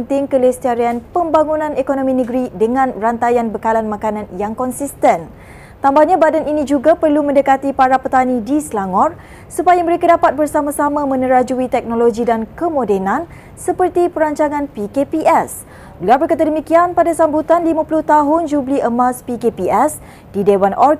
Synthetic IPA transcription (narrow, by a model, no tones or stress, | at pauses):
nt̪ɪŋkəlɛst̪iaɾianpəmbaŋunãnekonõmĩnə̃ɡɾidəŋãnrant̪ajanbəkalanmãkanãnjaŋkɔnsist̪ɛn | t̪ambahɲãbadɛninĩd͡ʒuɡapərlumə̃ndəkat̪ipaɾapət̪anidislaŋɔr | supajamə̃ɾekadapat̪̚bərsamasamãmə̃nəɾad͡ʒuit̪ɛk̚noloɡidankəmodɛnãn | səpərt̪ipəɾaɲt͡ʃaŋãnpikepiʔɛs | bəliawbərkat̪̬adəmikianpadasambut̪anlimãpuluht̪aɦʊnd͡ʒubliəmaspikepiɛs | didewanʔɔl